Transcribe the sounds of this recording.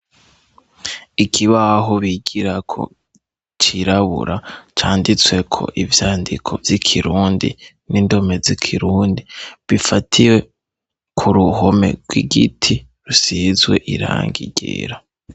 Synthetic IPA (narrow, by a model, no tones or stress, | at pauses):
ikʰiβaɦoβiɡiɾakʰo̞̰ | t͡ʃiɾaβṵɾʔat͡ʃaːndit͡swe̞kʰo̞̰ʔivjaːndikʰo̞̰vjikʰiɾuːndḭ | nindo̞me̞zikʰiɾuːndiβifatʰiwe̞ | kʰuɾuɦo̞me̞̰ɡɡwḭɡitʰi | ɾusizwe̞̰ʔiɾa̰ːŋɡiɟḛɾa